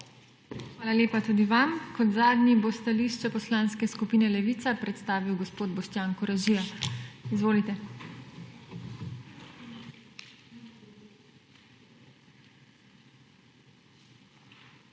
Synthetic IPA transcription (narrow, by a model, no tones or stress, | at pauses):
xʋaːlaleːpat̪uːd̪iʋamkɔt̪zaːd̪nʲibost̪aliːʃt͡ʃɛpɔslaːnskɛskupiːnɛlɛʋiːt̪sapɾɛt̪st̪aːʋiwɡɔspoːd̪bɔʃt̪jaːŋkɔɾaʒijaizʋoːlit̪ɛ